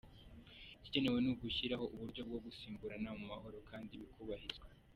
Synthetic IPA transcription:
ici̥ɟe̞ne̞we̞nuɡuçiɾaho̞ʔuβuɾɟo̞b̚ɡo̞ɡusiːŋɡuɾanamumaho̞ɾo̞kʰaːndiβikʰuβahizɡwa

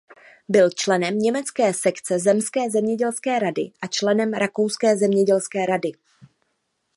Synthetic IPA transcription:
bɪlt͡ʃlɛnɛmɲɛmɛt͡skɛːsɛkt͡sɛzɛmskɛːzɛmɲɛɟɛlskɛːɾadɪ̰ʔat͡ʃlɛnɛmɾʔakowskɛːzɛmɲɛɟɛlskɛːɾadɪ

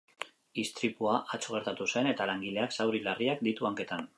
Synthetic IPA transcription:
ist̪ɾipuaʔat͡soɣ̞e̞ɾt̪at̪use̞ne̞t̪alaŋɡile̞aksawɾilariak̚d̪it̪uaŋke̞t̪an

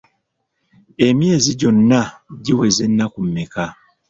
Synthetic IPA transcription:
emjeːziɟonːaɟiwezenːakumːeka

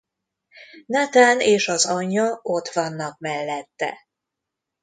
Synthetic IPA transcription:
nat̪aːneːʃɒzɒɲːɒo̞t̪ʋɒnːɒk̚mɛlːɛt̪ːɛ̰

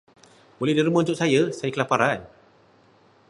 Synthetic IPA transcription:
bolɛhdiɾimãunt̪ʊʔsajəsajakəlapaɾan

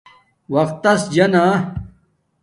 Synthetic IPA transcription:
wɐxt̪ːɐsd͡ʑɐnaː

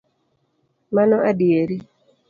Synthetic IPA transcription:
manɔʔadieɾi

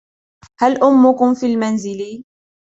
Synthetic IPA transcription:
halʔʊmːʊkʊmfiːlmanzɪli

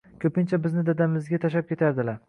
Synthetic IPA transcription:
kʲʰɵpɪnt͡ʃʰabɪznɪd̪ad̪amɪzɡʲat̪ʰaʃ̬ap̚kʲe̞t̪ʰaɾd̪ɪlaɾ

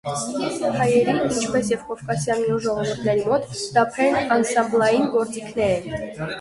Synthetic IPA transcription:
hɑjɛɾinint͡ʃʰpɛsjɛvkɔvkɑsjɑniuʒɔʁɔvuɾt̪ʰnɛɾimɔt̪d̪̥ɑpʰɾɛnɑnsɑmblˠɑjinɡɔɾt͡sikʰnɛɾɛn

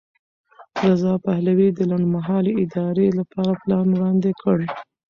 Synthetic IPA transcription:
ɾazɑpahlawid̪əlaɳɖmaɦɑleɪd̪ɑɾelapɑɾaplɑnwɽɑnd̪ekʰəɽ

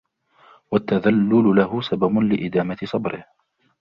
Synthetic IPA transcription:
wat̪ːaðalːʊlʊlahʊsababʊlɪʔɪd̪aːmat̪ɪsˤɑbɾɪh

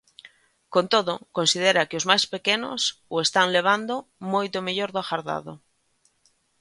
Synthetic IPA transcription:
kont̪oðokõnsið̞eɾakeozmajspekeno̰soest̪aŋleβ̞and̪omojt̪omeʎoɾðoaxaɾða̰ðo

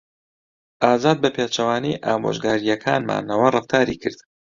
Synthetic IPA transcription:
ʔaːzaːd̪̚bɐpʰeːt͡ʃɐwaːnijʔaːmo̰ːʒɡaːɾijɐkʰaːnma̰ːnɐwɐrɨft̪ʰaːɾiːkʰɨɾd̪

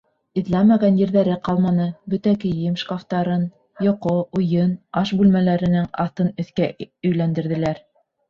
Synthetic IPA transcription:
ĭðlæmæɡænjɘ̆ɾðæɾɘqɑlˠmɑnɤbɵ̆t̪ækɘjɘmʃkaft̪ɑɾɤn | jŏqoujɤnɑʃbʉlmælæɾɘ̆nɘŋɑθt̪ɤnɵ̆θkæɵ̆jlænd̪ɘ̆ɾðɘ̆læɾ

